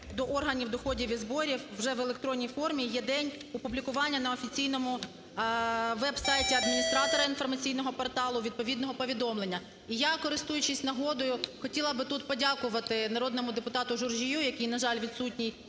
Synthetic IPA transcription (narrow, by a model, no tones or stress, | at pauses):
d̪ɔʔɔrɦɐnʲiwd̪ɔxɔdʲiʋʲizbɔɾʲiwːʒɛʋelˠek̚t̪ɾɔnʲːijfɔrmʲijɛd̪ɛnʲɔpublʲikʊʋɑnʲːɐnɐɔfʲit͡sʲijn̪ɔmʊ | ʋɛbsɑjtʲiɐd̪mʲinʲist̪ɾɑt̪ɔɾɐinfɔrmɐt͡sʲijnɔɦɔpɔrt̪ɑlˠʊʋʲid̪̚pɔʋʲid̪nɔɦɔpɔʋʲid̪ɔmlˠe̞nʲːɐ | ijakɔɾɪst̪ujʊt͡ʃɪsʲnɐɦɔd̪ɔjʊxɔtʲilˠɐbɪt̪ut̪pɔdʲakʊʋɐt̪ɪnɐɾɔd̪nɔmʊd̪epʊt̪ɑt̪ʊʒʊrʒʲijujɐkʲijnɐʒɑlʲʋʲid̪sut̚ʲnʲij